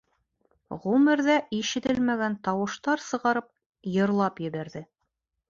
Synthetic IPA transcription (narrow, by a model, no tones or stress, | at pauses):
ʁumɘ̆ɾðæʔiʃɘ̆t̪ɘlmæɡænt̪ɑwɤ̆ʃt̪ɑɾsɤ̆ʁɑɾɤp̚ | jɤ̆ɾlˠɑpjɘ̆βæɾðɘ